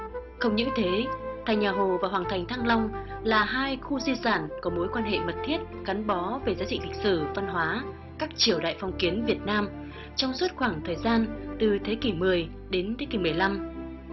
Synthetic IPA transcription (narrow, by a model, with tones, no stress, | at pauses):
xə˧wŋ͡mɲɨ̰˧˥ŋt̪ʰe˨˦t̪ʰa˨˩jŋ̟ɲaː˨˩ɦo˨˩vaː˨˩waː˨˩nt̪ʰjŋ̟t̪ʰaː˧ŋlɔ˧wŋ͡m | laː˨˩ɦaː˧jxu˧zi˧saː˧˩nkɔ˨˦mo˨˦jkwaː˧nɦḛ˧˨mə˨˩t̚t̪ʰi˦˥ət̚ka˨˦nɓɔ˨˦ve˧˩zaː˨˦t͡ɕḭ˧˨ŋlï̟˨˩sɨ˧˩va˧nɦwaː˨˦ | kaː˦˥k̚t͡ɕi˧˩əwɗa̰ː˧˨jfɔ˧wŋ͡mki˨˦ənvi˨˩ət̚naː˧m | t͡ɕɔ˧wŋ͡mswu˦˥t̚xwaː˧˩ŋt̪ʰəː˨˩jzaː˧nt̪ɨ˨˩t̪ʰe˨˦ki˧˩mɨ˨˩əj | ɗe˨˦nt̪ʰe˨˦ki˧˩mɨ˨˩əjla˧m